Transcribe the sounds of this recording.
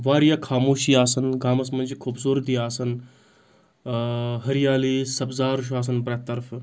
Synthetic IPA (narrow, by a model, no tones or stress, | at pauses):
ʋaːɾjakʰaːmoːʃiːaːsɐnɡaːmɐs̬mɐnʲd͡ʒikʰoːbsoːɾt̪ijaːsɐn | ɦɐɾijaːliːsɐbzaːɾʃ̬aːs̬ɐnpɾɐt̪ːɐɾf